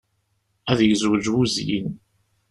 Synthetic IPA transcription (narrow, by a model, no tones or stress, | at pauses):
æðjzwd͡ʒwuzjḭn